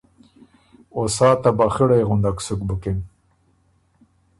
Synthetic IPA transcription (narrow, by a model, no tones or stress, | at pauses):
osɑːt̪abaxiɽajɣʊnd̪aksukbukem